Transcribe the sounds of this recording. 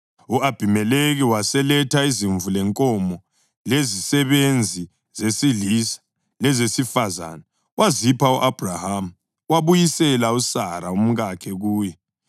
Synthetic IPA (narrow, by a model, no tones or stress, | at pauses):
uʔab̥ʱimɛleɣiwasɛlɛtʰaiziɱvulɛŋkʼɔmɔ | lezisɛβend͡zʱi | zesiɮisḁ | lɛzesifaza̰ːna | wʔazipʰauʔab̥ʱrahamu | waβujisɛlausaɾaum̩ɣakʰɛɣuːjɛ